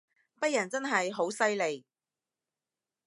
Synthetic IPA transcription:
pɐ˥t̚jɐ˨˩nt͡sɐ˥nɦɐ˨jɦo˨˥wsɐ˥jle˨j

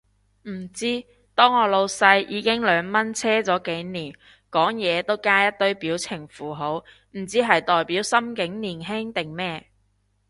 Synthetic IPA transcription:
m̩˨˩t͡siː˥ | t̪ɔː˥ŋɔː˨˧lo˧wsɐ˧jjiː˨˧kɪ˥ŋlœː˨˧ŋmɐ˥nt͡sʰɛː˥t͡sɔː˨˥ke˨˥jniː˨˩n | kɔː˨˥ŋjɛː˨˧t̪o˥wkaː˥jɐ˥t̚t̪ɵ˥ɥpiː˨˥wt͡sʰɪ˨˩ŋfuː˨˩ɦo˨˥w | m̩˨˩t͡siː˨˥ɦɐ˨jt̪ɔː˨jpiː˨˥wsɐ˥mkɪ˨˥ŋniː˨˩nɦɪ˥ŋt̪ɪ˨ŋmɛː˥

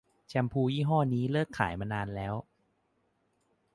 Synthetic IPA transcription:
t͡ɕʰɛ˧mpʰuː˧jiː˥˩ɦɔː˥˩niː˦˥lɤː˥˩kʰːa̰ː˩˦jmaː˧naː˧nlɛː˦˥w

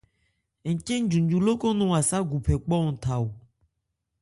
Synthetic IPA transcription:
ŋ̩˨ke˦ŋ̩˦d͡ʒũ˨ɲd͡ʒu˨lo˦ko˦nũ˨a˨sa˦ɡu˨pʰɛ˨k͡pɔ˦ŋ̩˨t̪ʰa˨wo˨

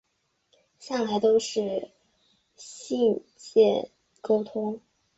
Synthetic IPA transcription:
ɕja˥˩ŋla˧˥ɪt̪o˥ʊʂɻ̩˥˩ | ɕi˥˧nt͡ɕjɛ˥˩ | ko˥ʊt̪ʰʊ˥ŋ

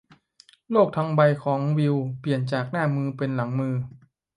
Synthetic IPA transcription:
loː˥˩k̚t̪ʰa˧ŋba˧jkʰɔː˩˦ŋwi˧wpli˨˩ənt͡ɕaː˨˩k̚naː˥˩mɯː˧pe˧nla˩˦ŋmɯː˧

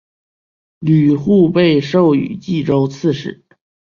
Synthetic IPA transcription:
ly˨˩xu˥˧pe˥˧ɪʂo˥˩ʊy̰˨˩t͡ɕi˥˩ʈ͡ʂo˧˥ʊt͡sʰɹ̩˥˧ʂɻ̩˥˩˦

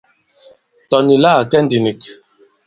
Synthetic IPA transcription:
tɔ˨ni˨la˦˨kɛ˦n̩˦di˨ni˨k

